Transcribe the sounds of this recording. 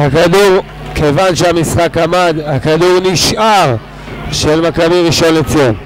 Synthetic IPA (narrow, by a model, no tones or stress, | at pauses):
hakaduʁ | kʰevanʃeamisχakamad̪hakaduʁniʃʔaʁ | ʃelmakabiʁiʃo̞net͡sum